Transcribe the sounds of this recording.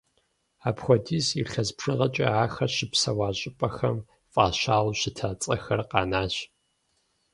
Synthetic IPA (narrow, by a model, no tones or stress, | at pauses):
aːpxʷɔdiːziɬɐzpʰʂɨʁɐt͡ʃʼɐ̰aːxɐɕɪpsɐwaːɕʼɪpʼɐxɐm | fʼaːʃaːlɕɪtʰaːt͡sʼɐxɐrqɑːnaːɕ